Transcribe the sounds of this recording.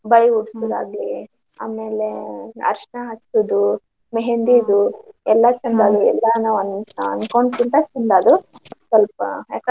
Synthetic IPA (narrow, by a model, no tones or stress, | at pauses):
bɐɭiuɽsud̪a̰ːɡli | a̰ːmeːleɐ̰ɾʂɐɳaɦɐt͡ʃːud̪u | meɦend̪id̪uɛlːɐt͡ʃɐnd̪aːd̪uɛ̰lːɐnaːʋɐnɐnkoɳɖt̪int̪ɐt͡ʃɐnd̪aːd̪usɐlpɐ̰ak